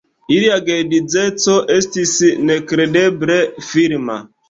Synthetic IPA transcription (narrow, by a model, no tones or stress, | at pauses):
iɾiaɡedid͡zetoʔestisinekɾedebɾefiɾma̰